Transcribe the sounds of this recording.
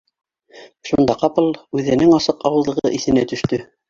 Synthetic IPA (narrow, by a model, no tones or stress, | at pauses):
ʃund̪ɑqɑpɤlˠʉðɘ̆nɘŋɑsɤqɑwɤ̆zˠlˠɤ̆ʁʁɤ̰ʔiθɘ̆næt̪ɵ̆ʃt̪ɵ